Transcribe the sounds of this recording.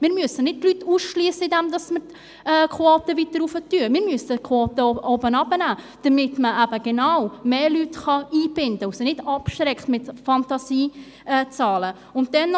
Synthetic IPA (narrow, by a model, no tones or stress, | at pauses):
mɪːɾmyəsənɪd̚tlytːuːsʃliəsəɪdɛmd̪ɑsməɾ | ɛːkʰoːtəvit̪ːəɾufətyəmɪːɾmyəsəkʰwoːt̪əɔbənɑbənæː | d̥əmɪt̪məʔæbəɡ̥enawmeːlytχɑiːb̥ɪndəʊsinɪdɑpʃɾɛkχtmɪtfɑntɑsiː | ɛt͡sɑːlə | ʊnt̚dɛn